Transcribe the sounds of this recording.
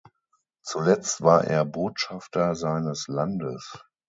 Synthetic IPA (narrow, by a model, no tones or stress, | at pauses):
t͡sulɛt͡stv̥aːɐʔḛːɐboːtʃaftɐzaɪnəslandə̰s